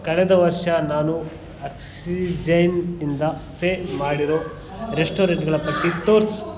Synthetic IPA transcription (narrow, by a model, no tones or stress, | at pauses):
kɐɭɛd̪ɐʋɐɾʂɐnaːnu | ɐksid͡ʒɐjnind̪ɐpeːmaːɽiɾoː | ɾesʈoːɾeɳʈɡɐɭɐpɐʈːit̪oːɾs